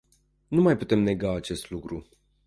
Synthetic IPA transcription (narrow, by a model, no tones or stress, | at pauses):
numajput̪e̞mne̞ɡaːt͡ʃe̞st̪lukɾu